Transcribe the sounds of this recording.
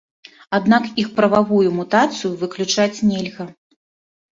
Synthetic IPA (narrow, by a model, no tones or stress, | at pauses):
ad̪nakixpɾɐvavujumut̪at̪sɨjuvɨklʲut͡ʂat͡sʲnʲɛlʲɣɐ